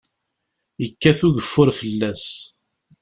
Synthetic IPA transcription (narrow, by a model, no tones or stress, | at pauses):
jəkːæθuʝəfːʊɾfəlːæs